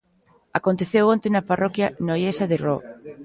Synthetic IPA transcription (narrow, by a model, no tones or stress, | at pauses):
akont̪eθewont̪ɪnɐparʔɔkjɐnojesɐðɪrɔk